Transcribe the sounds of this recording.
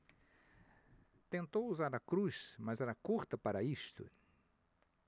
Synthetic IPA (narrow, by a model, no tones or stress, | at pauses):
t̪ẽnt̪owuzaɾɐkɾusmɐzɛɾɐkuɾt̪ɐpaɾɐist̪ʊ̰